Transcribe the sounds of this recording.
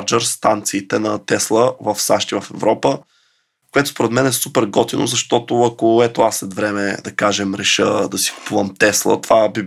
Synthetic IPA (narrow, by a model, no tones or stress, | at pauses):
d͡ʒəɾst̪ant̪siːt̪ɛnɐt̪ɛslˠəvəfsaʃt̪ivɐfɛvɾɔpə | koɛt̪o̥spoɾɛd̪mɛnɛsupɛɾɡɔt̪ino̰zɐʃt̪ɔt̪oɐkoɛt̪oasːlɛt̪vɾɛmɛd̪ɐkaʒɛmɾɛʃəd̪ɐsi̥ku̥puvəmt̪ɛslˠə̰t̪ovabi